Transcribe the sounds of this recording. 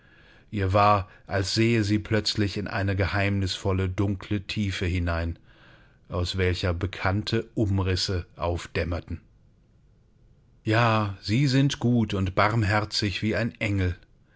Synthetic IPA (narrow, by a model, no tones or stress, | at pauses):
ʔiːɐvaːɐʔalsz̥eːəziːpʰl̥œt͡slɪçɪnʔa̰ɪnəɡəhaɪmnɪsfɔlədʊŋkʰl̥ətʰiːfəhɪnaɪn | ʔaʊsv̥ɛlçɐbəkʰantʰəʔʊmʁɪsəʔaʊfd̥ɛmɐtn̩ | jaːziːzɪntɡ̥uːtʊntb̥aʁmɦɛɐt͡sɪçv̥iːaɪnʔɛŋl̩